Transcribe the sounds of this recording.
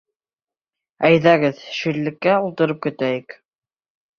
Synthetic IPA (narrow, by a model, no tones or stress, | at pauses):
æjðæɡɘðʃɵ̆ɾlːɘ̆kːæulˠt̪ɤ̆ɾɤp̚kɵ̆t̪æjɘk